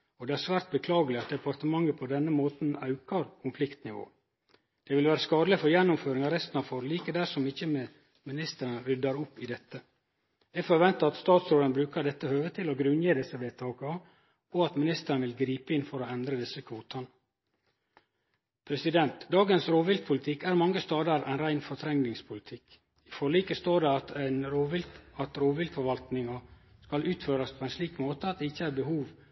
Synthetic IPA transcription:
ɔd̪ɛæɾsʋæːɾt̪̚bəkʰlɑːɡəlɪɑt̪̚d̪ɛpɑɾt̪əmɑŋːəpʰɔd̪ɛnːəmoːt̪n̩ɑʉkɑɾkʰʊnflɪkt̪nɪʋo̰ː | d̪̥ɛʋɪlʋæːɾəskɑːd̪ləfɔɾjɛnːʊmføːɾɪŋɑɾɛst̪n̩ɑfɔɾliːkəd̪æʂɔmɪçːəm | mɪnɪst̪əɾənəɾʏd̪ɑɾʊpːɪd̪ɛt̪ːə | ɛfɔɾʋɛnt̪ɑɑt̪st̪ɑːt̪sɾoːd̪ənbɾʉːkəɾɖ̪ɛt̪ːəhøːʋət̪ʰɪloɡɾʉnjəd̪ɪsːəʋeːt̪ʰɑːkɑɑ | ɔɑt̪mɪnɪst̪əɾənʋɪlɡɾiːpəɪnfɔɾoːɛnd̪ɾəd̪ɪsəkʰʋuːt̪ʰɑnə | pʰɾɛsɪd̪ɛnt̪d̪ɑːɡənsɾoːʋɪlk̪̚pʰʊlɪt̪ʰɪkæːɾmɑŋːəst̪ɑːd̪ɑɾæ̰nɾæɪnfɔt̪ʰɾɛŋnɪŋspʰʊlɪt̪ʰɪk | ɪfɔɭiːkəst̪oːɖɛɑt̪ɛnɾoːʋɪlɑt̪ɾoːʋɪlk̪fɔɾʋɑlt̪nɪŋɑskɑlʉːt̪føːɾɑspʰoɛɪnsliːkmoːt̪əɑt̪̚d̪ɛɪçːəæːɾbəhuːʋ

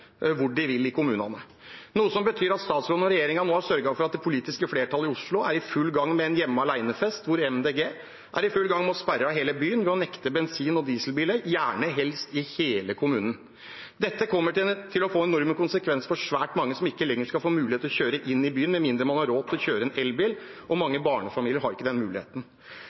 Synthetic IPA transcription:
ʋʊɖɪʋɪlɪkʊmʉːnɑnə | nuːəsɔmbət̪ʰyːɾɑt̪st̪ɑːt̪sloːd̪ɔɾɛjeːɾɪŋɑnoːɑʂœɾɡɑfɔɾɑt̪̚d̪ɛpʰʊliːt̪ɪskəfleːʈʰɑlːɪʊʂɭʊæɾɪfʉlːɡɑŋːmɛɛnjɛmːəɑlæɪnəfɛst̪ʋʊɾɛmd̪eːɡeː | ʔæ̰ɾɪfʉlːɡɑŋːmɛɔspæɾɑɦeːləbyːənʋɛɔnɛkt̪əbɛnsiːnɔd̪iːsəlbiːləjæːɳəɦɛlst̪ɪheːləkʰʊmʉːnən | d̪ɛt̪ːəkʰɔmːət̪ʰɪlɔfoːɛnɔɾməkʊnsəkʰʋɛnsə̥fɔʂʋæːʈmɑŋːəsɔmɪkːəlɛŋːəʂkɑlfoːmʉːlɪeːt̪ɔɕçøːɾəʔɪnːɪbyːənmɛmɪnd̪ɾəmɑnhɑɾoːt̪ʰɪlɔçøːɾəɛnɛlbɪːl | ʔɔmɑŋːəbɑːɳəfɑmiːlɪəɾɦɑɾɪkːəd̪ɛnmʉːlɪ̰ḛːt̪ən̩

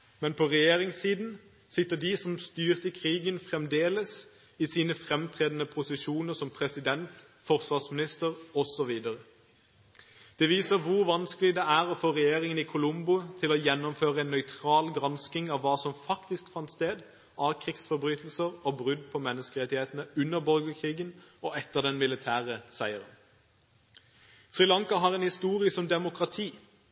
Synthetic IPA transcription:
mɛnpʰɔʁɛjeːʁɪŋsiːd̪n̩ | sɪt̪ːəd̪ɪsɔmst̪yːʁt̪əkʰʁiːɡənfʁɛmd̪eːləs | ɪsiːnəfʁɛmt̪ʰʁeːd̪nəpʰʊsɪʃuːnəʁsɔmpʰʁɛsɪd̪ɛnt̪ | fɔʁsʋɑsmɪnɪst̪əʁɔsɔʋiːd̪əʁə | d̪̥ɛʋiːsəʁʋʊʁʋɑnskəlɪd̪ɛæːʁɔfoːʁɛjeːʁɪŋənɪkʰʊlʊmbʊt̪ʰɪloːjɛnːɔmføːʁəɛnːœʏt̪ʰʁɑːlɡʁɑnskɪŋɑʋːɑːsɔmfɑkt̪ɪskfɑnt̪st̪eːd̪ | ɑkʰʁɪksfɔʁbʁyːt̪ʰl̩səʁobʁʉd̪̚pʰɔmɛnːəskəʁɛt̪ɪheːt̪nəʉnːəʁbɔlɡəkʰʁiːɡənɔɛt̪ːəʁd̪ɛnmɪlɪt̪ʰæːʁəsæɪəʁən | sʁɪlɑŋkɑɦɑʁɛnhɪst̪uːʁɪəsɔmd̪ɛmʊkʁɑt̪ʰiː

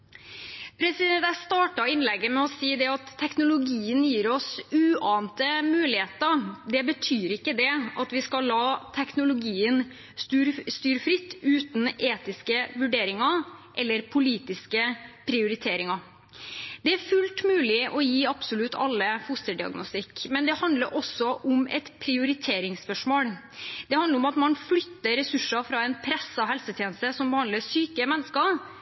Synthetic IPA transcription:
pʰɾɛsɪd̪ɛnt̪æst̪ɑːʈɑɪnlɛɡːəmɛɔsiːd̪ɛɑt̪ʰːɛknʊlʊɡiːənjiːɾɔsʉːɑːnt̪əmʉːlɪheːt̪ɑd̪ɛbət̪ʰyːɾɪkːəd̪ɛɑt̪ʋɪskɑlːɑːt̪ʰɛknʊlʊɡiːən | st̪yːɾst̪yːɾfɾɪt̪ːʉːt̪n̩eːt̪ɪskəʋʉɖeːɾɪŋɑʔɛlːəɾpʰʊliːt̪ɪskəpʰɾɪʊɾɪt̪ʰeːɾɪŋɑ | d̪̥ɛæɾfʉlt̪mʉːlɪʔɔjiːɑbsʊlʉt̪ʰːɑ̰lːəfʊst̪əɖɪɑ̰ɡnʊst̪ɪkmɛnd̪ɛhɑnd̪ləɾʔɔsːɔʔʊmɛ̰t̪pʰɾɪʊɾɪt̪ʰeːɾɪŋspœʂmoːl | d̪̥ɛhɑnd̪əɾɔmɑt̪mɑnflʏt̪ːəɾɛsʉʂɑfɾɑɛnpʰɾɛsɑɦɛlsət̪ʰjeːnəst̪əsɔmbəhɑnd̪ləsyːkəmɛnːəskɑ

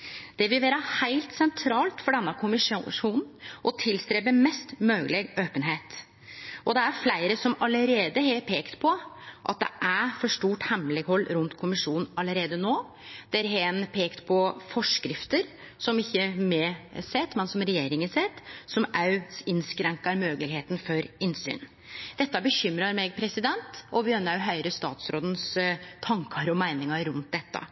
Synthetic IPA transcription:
d̪̥ɛʋɪlʋæːɾəhæɪlt̪sɛnt̪ʰɾɑːlt̪fɔɖɛnːɑkʰʊmɪʂʂuːnn̩ʔɔt̪ʰɪlst̪ɾeːbəmɛst̪møːɡlɛɡøːpənɦeːt̪ | ʔɔd̪ɛæɾflæɪɾəsɔmɑləɾeːd̪əɦepʰeːkt̪pʰɔʔɑ̰t̪̚d̪ɛ̰ʔæfɔʂʈuːʈhɛmlɛɡhɔlːɾʉnt̪kʰʊmɪʂuːnn̩ɑləɾeːd̪ənoː | d̪̥ɛɾɦenpʰeːkt̪pʰɔfɔʂkɾɪft̪əɾ | sɔmɪçːəmɛsɛt̪mɛnsɔmɾɛjeːɾɪŋəsɛt̪sɔmʔæɪnskɾɛŋkɑɾmøːɡəlɪheːt̪n̩fɔɾɪnsy̰ːn | d̪̥ɛt̪ːɑbəçʏmɾɑɾmɛɡ̚pʰɾɛsɪd̪ɛnt̪ɔʋɪœnːɑɦœʏɾəst̪ɑ̰ːt̪sɾoːd̪ən̩st̪ʰɑŋkʰəɾɔmæɪnɪŋɑɾʉnt̪̚d̪ɛt̪ːɑ̰

